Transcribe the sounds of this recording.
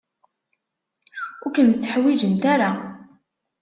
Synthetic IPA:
ʊɾkənət͡sːəħwid͡ʒənt̪aɾa

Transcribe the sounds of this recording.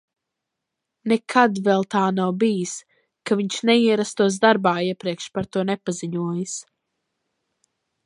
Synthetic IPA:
nɛkʰad̪vɛlˠt̪aːnawbijis | kaviɲʃnɛiɛɾast̪uɔs̬d̪aɾbaːiɛpɾiɛkʃpaɾt̪uɔnɛpaziɲuɔjɨs

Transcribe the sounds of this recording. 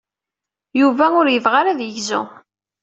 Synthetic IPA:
juvæʊɾjəvʁaɾæðjəʝzʊ̰

